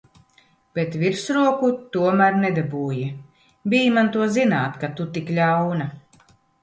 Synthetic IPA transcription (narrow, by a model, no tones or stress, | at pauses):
b̥et̪viɾsɾuɔkut̪uɔmæɾnɛd̪abuːji | biːjmant̪uɔzinaːt̪kat̪ut̪iklʲawna